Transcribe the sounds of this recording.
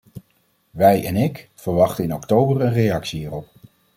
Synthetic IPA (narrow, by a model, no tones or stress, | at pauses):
ʋɛjʔɛ̰nɪkfəɹʋɑχtəɪnɔktowbərənrejɑksiɦiːrɔp